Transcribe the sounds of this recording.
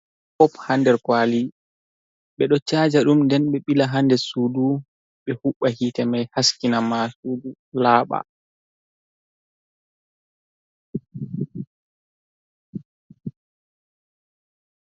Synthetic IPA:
fɔphandɛɾkwaːli | ɓɛɗɔt͡ʃaːd͡ʒaɗumndɛnɓɛɓilaɦandɛsuːdu | ɓɛhuɓːahitɛmajhaskinamasuːdu | laːɓa̰

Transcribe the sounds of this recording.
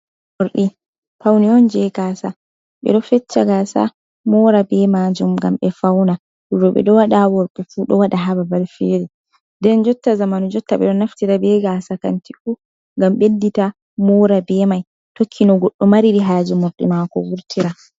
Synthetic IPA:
mɔɾɗi | pawniɔnd͡ʒɛɡasa | ɓɛ̰ɗɔfɛt͡ʃːaɡasa̰ | mɔɾabɛmad͡ʒumɡa̰mɓɛfawna | duɾɔɓɛ̰ɗɔwaɗawɔɾkufuɗɔwaɗaɦababalfeɾɛ | dɛnd͡ʒɔtːazamanud͡ʒɔtːaɓɛ̰ɗɔnaftiɾabɛɡasaka̰ntiku | ɡamɓedːita | mɔɾabɛmaj | tokʰːinɔɡɔɗːɔmaɾiɾiɦaːd͡ʒimoɾɗḭmakɔwuɾtʰiɾa

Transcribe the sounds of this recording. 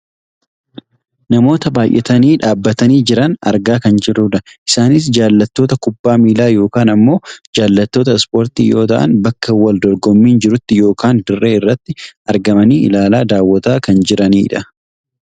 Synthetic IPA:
nɐmo̞ːt̪ɐbaːjʔɛ̰t̪ɐniːᶑaːbːɐt̪ɐniːd͡ʒɪɾɐnɐ̰ɾɡaːkɐnd͡ʒɪɾuːᶑɐʔɪsaːnɪs̬d͡ʒaːlːɐt̪ːo̞ːt̪ɐkʊbːaːmiːlaːjo̞ːkaːnɐmːo̞ːd͡ʒaːlːɐt̪ːo̞ːt̪̬ɐspo̞ːɾt̪ḭːjo̞ːt̪ɐʔɐ̰nbɐkːɐwɐld̪ɔɾɡɔmːiːnd͡ʒɪɾʊt̪ːɪjo̞ːkaːnd̪ɪrːe̞ːɪrːɐt̪ːɪʔɐɾɡɐmɐniːɪ̰laːlaːd̪aːwːɐt̪aːkɐnd͡ʒɪɾɐniːᶑɐ

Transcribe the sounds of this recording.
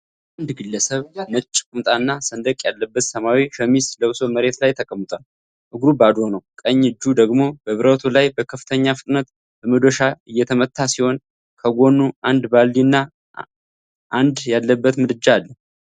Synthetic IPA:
and̪ɡɨlːəsəβmət͡ʃʼːkʼumt̪ʼanːasənd̪əkʼjalːəbːət̪səmawiʃəmisləwɨso̞məɾe̞t̪lajt̪ʰəkʼəmːɨt̪ʼwal | ʔɨɡɾubad̪ɾo̞nəwkʼəɲːɨd͡ʒːud̪əɡmo̞bəβɨɾət̪ʰolajbəkʰəfɨ̥t̪ʰəɲːafɨt̪ʼnət̪ | b̥əməd̪oʃaɨjːɛt̪ʰəmət̪ʰːasiho̞n | kʰəɡʷo̞nːuʔand̪balːinːa | ʔand̪jalːəbːət̪mɨd̪ɨd͡ʒaːlːə

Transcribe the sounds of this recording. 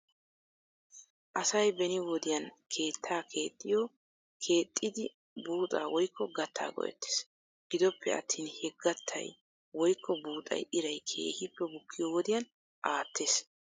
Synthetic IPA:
ʔɐsɐjbɛnɪwɔd̪ɪjɐnkʰe̞ːt̪ʰːaːkʰe̞ːt̪ʼːɪjɔ | kʰe̞ːt̪ʼːɪd̪ɪ | buːt̪ʼaːwɔjkːɔɡɐt̪ːa̰ːɡɔ̰ʔɛ̰t̪ːe̥ːs | ɡ̥ɪd̪ɔpʰːɛ̰ɐ̰t̪ʰːiːnhɛɡːɐt̪ʰːɐ̰j | wɔjkːɔbuːt̪ʼɐ̰jʔɪɾɐjkʰe̞̰ːhɪpːɛbʊkʰːɪjɔwɔd̪ɪjɐn | ʔaːt̪ʰːe̞ːs

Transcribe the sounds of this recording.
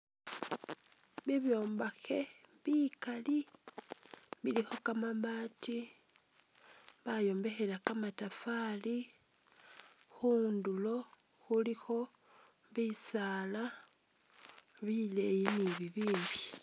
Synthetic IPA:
βiβjo̞ːmbaxe̞βikali | βilixo̞kamaβaːti | βajo̞ːmbe̞xe̞lakamatafali | xuːndulo̞ | xulixo̞ | βisala | βilejiniβiβiːmbi

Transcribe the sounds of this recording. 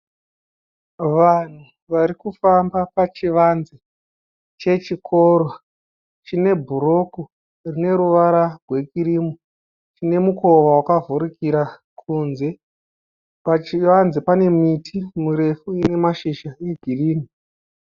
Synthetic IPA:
ʋan̤u | ʋaɾikufambapat͡ʃiʋanze | t͡ʃe̞t͡ʃikʰo̞ɾo | t͡ʃine̞bʱuɾo̞ku | rine̞ɾuʋaɾarwe̞kiɾimo | t͡ʃine̞muko̞ʋawakavuɾikiɾa | kʰunze̞ | pat͡ʃiʋanzepane̞mitʰimuɾe̞fuine̞maʃiʃae̞ɡʱiriːni

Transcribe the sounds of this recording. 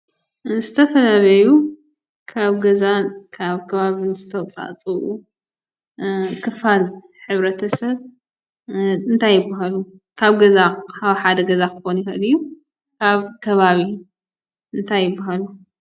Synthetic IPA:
nɨzɨt̪ʰɐfɐlaβɐju | kʰaβɡɐzakʰaβkʰɐβaβinɨzɨt̪ʰɐt͡sʼa̰t͡sʼɨʔu | kʰɨfal | ħɨβɾɐt̪ʰɐsɐβ | ɨnt̪ʰajːɪbːaɦalu | kʰaβɡɐzakʰaβħad̪ɐɡɐzakʰɨxo̞njɪxʔɨlijːu | kʰaβkʰɐβaβi | ɨnt̪ʰajːɨbːaɦalu

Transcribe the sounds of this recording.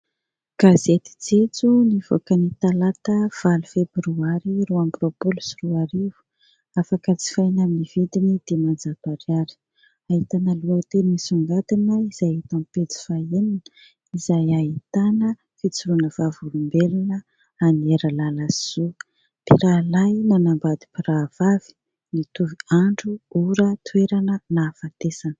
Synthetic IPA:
ɡ̥azet̪i̥t͡set͡suniv̥o̰kənit̪alat̪əv̥alufebɾuaɾiɾuambɾopolusiruaɾivu̥ | afakət͡si̥fajnaminiv̥id̪inid̪̥emand͡zapaɾjaɾi̥ | aɦit̪anəluawt̪enisuŋɡat̪inaiz̥ajet̪ãmpet͡si̥faeninə | izajaɦit̪anə | fit͡suɾunəvavulumbelinə | anieɾəlalasiz̥o | piɾalajnanambad̪i̥piɾav̥avi̥ | nit̪uviaɳɖ͡ʐuuɾət̪ʰweɾanənafat̪esanə̥

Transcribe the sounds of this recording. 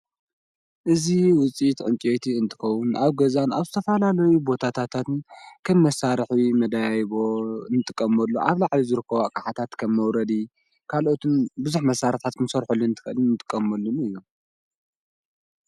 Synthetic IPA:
ʔɨziwʊt͡sʼit̪ʔʼɨnt͡ʃʼet̪ʰiɨnt̪ʰɨ̥xɐwːʊnʔaβɡɐzana̰βzɨt̪ʰɐfɐlalɐjubo̞t̪ʰat̪ʰat̪ʰat̪ɨnkʰɐmːɐsaɾħimɐd̪ajβo̞nɨt̪ʼɨkʼːɐmɐlːo̰ʔaβlaʕlizɨɾɨkːɐβakʼaħat̪ʰat̪kʰɐmːɐwɾɐd̪i | kʰalʔo̞t̪ʰɨnbɨzuħmɐsːaɾɨt̪ʰat̪kʰɨmsɐɾħulːunt̪ʰɨ̥xʔɨlnːɨt̪ʼɨ̥kʼːɐmɐlːunɨjːom

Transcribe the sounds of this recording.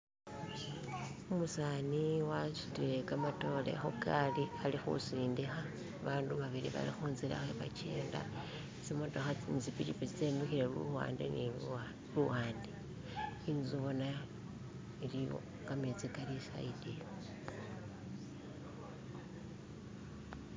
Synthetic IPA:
umusaːniwat͡ʃi̥tiɾe̞kamato̞ːle̞̰xokalialixṵsiːndixaː | βaːnduβaβiɾḭβa̰lixuːnzila̰xeβat͡ʃe̞̰ːnda̰ | simotoxat͡sinit͡sipit͡ʃipiit͡seːmexiɾelṵa̰ːndḛni | luwaːndi | inzuβo̞na | iliβo̰ | kamet͡sikalisa̰idi

